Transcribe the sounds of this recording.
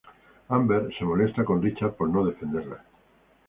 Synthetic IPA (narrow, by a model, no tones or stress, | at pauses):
ambeɾse̞mo̞le̞st̪ako̞nrit͡ʃaɾpo̞ɾnoð̞e̞fe̞nd̪e̞ɾla